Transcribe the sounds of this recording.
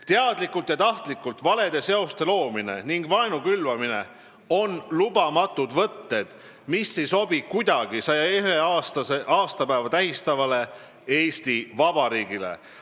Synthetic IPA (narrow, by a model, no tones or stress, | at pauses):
t̪eɑd̪likːult̪jɑt̪ɑht̪likːult̪vɑle̞d̪̥e̞se̞ost̪e̞lo̞ːmine̞̰niŋɡ̥vɑenukylvɑmine̞̰ | o̞nlub̥ɑmɑt̪ːˑud̪̥vɤt̪ːe̞d̪̥ | misːiso̞bikujd̪̥ɑɡ̥isɑjɑeɦeɑst̪ɑseʔɑːst̪ɑpæːvɑt̪æɦist̪ɑvɑle̞ | e̞ːst̪ivɑb̥ɑɾiːɡ̥ile̞̰